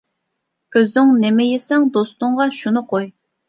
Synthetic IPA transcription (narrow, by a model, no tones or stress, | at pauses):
øzyŋnɪmɛjesɛŋd̪ost̪ʊɴʁɑʃunɨqʰoj